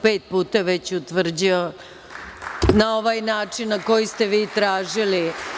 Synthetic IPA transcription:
peːt̪̚puːt̪aʋe̞t͡ɕut̪ʋr̩d͡ʑio | nao̞ʋaːjnaːt͡ʂinːako̞jist̪eʋiːt̪ɾaːʒili

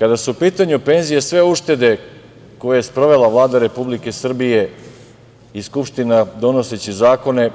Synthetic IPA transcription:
kad̪asuupiːt̪aɲupe̞ːnzijesʋe̞uʃt̪e̞d̪e̞ | ko̞jejespɾo̞ʋe̞laʋlˠaːd̪aɾe̞publike̞sr̩bije̞ | iskupʃt̪inad̪o̞no̞se̞t͡ɕizaːko̞ne̞

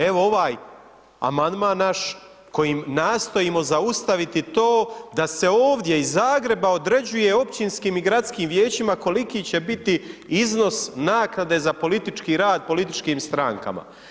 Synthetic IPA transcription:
e̞ʋo̞o̞ʋaːj | a̰mand̪maːnːaʃ | ko̞jimnaːst̪o̞imo̞zaust̪aʋit̪it̪oːd̪ase̞oːʋd̪je̞izːaːɡɾe̞bao̞d̪ɾe̞d͡ʑuje̞o̞pt͡ɕinskiːmiɡɾat̪skiːmʋje̞ːt͡ɕimako̞likiːt͡ɕe̞bit̪iizno̞snaːknad̪e̞ːzapo̞lit̪it͡ʃkiɾaːd̪̚po̞lit̪it͡ʃkiːmst̪ɾaŋka̰ma̰

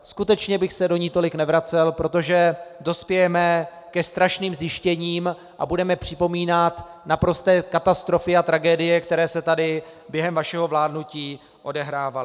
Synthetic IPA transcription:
skut̪ɛt͡ʃɲɛbɪxsɛdo̞ɲɪt̪o̞lɪknɛvɾat͡sɛlpɾo̞t̪o̞ʒɛdo̞spjɛjɛmɛ | kɛst̪ɾaʃniːmzjɪʃcɛɲiːm | ʔa̰budɛmɛpr̝̥ɪpo̞miːnat̪napɾo̞st̪ɛːkat̪ast̪ɾo̞fɪat̪ɾaɡɛːdɪjɛkt̪ɛɾɛːsɛt̪adɪ | bjɛɦɛmvaʃɛɦo̞vlaːdnuciː | ʔo̞dɛɦɾaːvalɪ

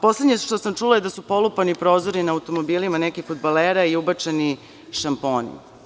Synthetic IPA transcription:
po̞sle̞d̪ɲeʃt̪o̞samt͡ʃulajed̪asupo̞lˠupanipɾo̞ːzoɾinaːut̪o̞mobilimanekixfod̪baleɾaiubat͡ʂeni | ʃampo̞ːnḭ

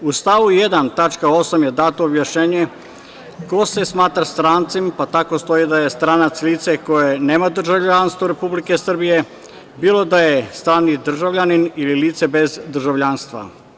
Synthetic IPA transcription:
ust̪aʋuje̞d̪ant̪at͡ʃkao̞samje̞d̪aːt̪oːbjaʃɲeːɲe | ko̞se̞smaːt̪ɾast̪ɾaːnt̪simpat̪ako̞st̪o̞jid̪aje̞st̪ɾaːnat̪sliːt̪se̞ko̞jeneːmad̪r̩ʒaʋʎanst̪ʋaɾe̞publikesr̩bije | biːlˠo̞d̪ajest̪ɾaːnid̪r̩ʒaʋʎaninililiːt̪sebe̞zd̪r̩ʒaʋʎanst̪ʋa̰

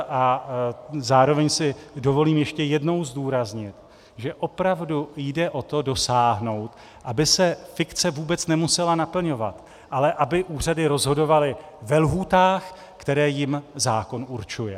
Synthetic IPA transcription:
ʔa | zaːɾo̞vɛɲsɪdo̞vo̞liːmjɛʃcɛjɛdno̞wzduːɾazɲɪt̪ | ʒɛʔo̞pɾavdujdɛʔo̞t̪o̞do̞saːɦno̞wt̪ | ʔabɪsɛfɪkt͡sɛvuːbɛt͡snɛmusɛlanapl̩ɲo̞va̰t̪ | ʔalɛʔabɪʔuːr̝adɪɾo̞zɦo̞do̞valɪ | vɛlɦuːt̪aːx | kt̪ɛɾɛːjɪmzaːko̞nuɾt͡ʃujɛ

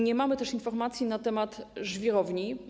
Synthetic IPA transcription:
ɲɛmamɘt̪ɛʂinfɔɾmat̪sʲjinat̪ɛmat̪ʐvʲjiɾɔvɲi

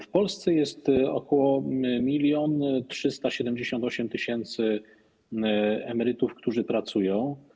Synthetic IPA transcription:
fpɔlst̪sɛjɛst̪ɔ̰kɔwɔmʲilʲjɔntʂɘst̪aɕɛd̪ɛmd͡ʑeɕɔnt̪ɔɕɛmt̪ɘɕɛnt̪sɘ | ɛmɛɾɘt̪ufkt̪uʐɘpɾat̪sujɔ̃w̃

